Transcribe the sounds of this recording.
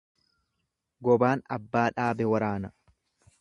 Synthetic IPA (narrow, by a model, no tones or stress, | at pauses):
ɡɔbaːnɐ̰bːaːᶑaːbɛwɐɾaːnɐ